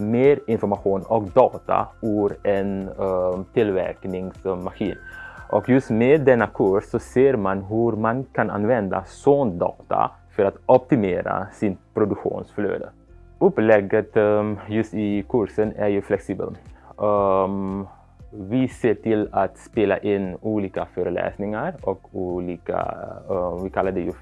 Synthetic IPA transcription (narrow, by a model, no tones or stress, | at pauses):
meːɾɪnfɔɾmaɧuːnɔkd̪ɑːt̪a̰ʉɾɛn | t̪ɪlvɛ̰ɾknɪŋsmaxiːnʔɔkjʉst̪meːd̪ːɛnːakʰʉɾsːɔseːɾmanɦʉɾmankʰana̰nvɛnd̪a̰sɔnd̪ɑ̰ːt̪a̰ | fœɾat̪ɔp̚t̪ɪmeːɾa̰sɪnpɾʊd̪ʉkɧṵːnsflø̰ːd̪ə̰ | ɵpːlɛɡət̪jʉst̪ɪkʰʉɾsənæɾjʉflɛksiːbə̰l | vɪseːʈɪlat̪speːla̰ʔɪnuːliːkaføːɾəlɛ̰ːsnɪŋaɾɔkuːliːka̰ | vɪkʰalːad̪ɛjʉ